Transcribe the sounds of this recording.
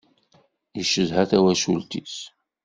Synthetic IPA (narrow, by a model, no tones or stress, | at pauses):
iʃəzhæθæwæʃult̪is